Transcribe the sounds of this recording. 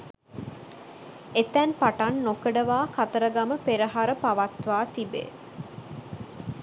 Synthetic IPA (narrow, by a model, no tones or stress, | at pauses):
et̪ænpaʈanːokəɖəʋaːkat̪əɾəɡaməpeɾəɦaɾəpaʋat̪ʋaːt̪ibḛ